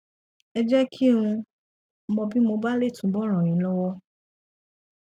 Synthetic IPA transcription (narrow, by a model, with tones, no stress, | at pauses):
ɛ˧d͡ʒɛ˦kʰĩ˦ũ˧ | mɔ̃˧bi˦mo˧ba˦le˦˨tũ˨˦bɔ˦˨ɾ̃ã˨ɾ̃ĩ˨˦lɔ˦wɔ˦